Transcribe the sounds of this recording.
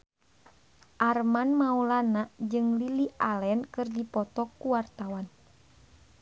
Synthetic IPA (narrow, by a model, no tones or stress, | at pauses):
ʔarmanmaulanaʔd͡ʒɨŋliliʔalɛnkɨrdipɔt̪ɔkːuwart̪awan